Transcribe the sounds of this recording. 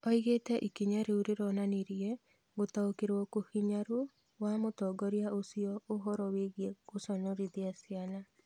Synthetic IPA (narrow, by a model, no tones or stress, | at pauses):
ɔiɣetɛʔikiɲaɾeuɾeɾɔnaneɾjɛ | ɡotaokeɾwɔkohiɲaɾo | wamotɔɡɔɾjaosiɔoɦɔɾɔweɣjeɡosɔɲɔɾiðiasiana